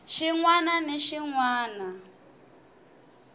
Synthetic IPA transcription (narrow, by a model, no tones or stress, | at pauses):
ʃiŋwananeʃiŋwaːna